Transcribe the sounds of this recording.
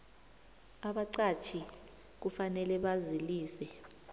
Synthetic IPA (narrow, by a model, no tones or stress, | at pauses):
aɓaǀat͡ʃʰi | k̬ufanɛlɛɓaziliːsɛ